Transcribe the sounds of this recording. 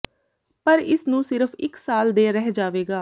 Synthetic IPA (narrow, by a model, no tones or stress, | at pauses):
pəɾɪsnũːsɪɾəpʰɪksaːld̪eːɾɛɦd͡ʒaːʋeːɡaː